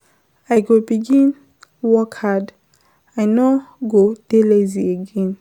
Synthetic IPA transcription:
ajɡobiɡĩn | wɔkhad | ajnɔɡod̥elezieɡẽn

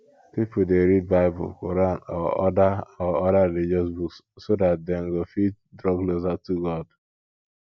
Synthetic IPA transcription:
pip̩deɾid̚baɪbʊ̰lkoɾanɔ̰ɔ̰daɔɔdalid͡ʒɔsbuks | sodat̚deŋ̩ɡofit̚ | dɾɔɡlozatuɡɔd

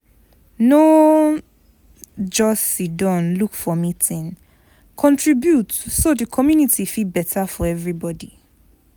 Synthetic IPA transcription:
no | d͡ʒɔsidɔ̃nlukfɔmitĩn | kʰɔ̃ntʰɹibjutsodəkʰɔmjunitʰifilbɛtʰafɔɛvɹibɔdi

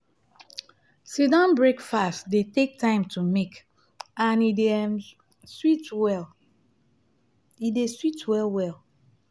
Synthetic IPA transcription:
sidɔ̃nbɹekfastdetek̚tãɪ̃mtʰumek | ãnie | switwɛ | ideswitwɛlwɛl

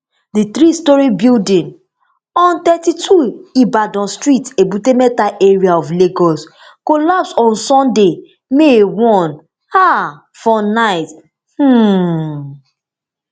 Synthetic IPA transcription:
dit̪ɾistɔɹibildĩn | ɔ̃nt̪ɛtitʰuibadɔ̃nstɹitebutemɛtaʔeɹiaɔfleɡɔs | kolapsɔ̃nsɔ̃nde | mewɔ̃n | ha | fɔnaɪt | h̩

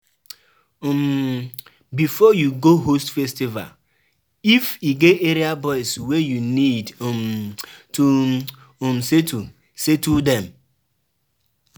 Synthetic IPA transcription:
m̩ | bifɔjuɡoɦostfestiva̰l | ifiɡeeɾiabɔɪswejunidm̩tu | m̩setu | setudɛm

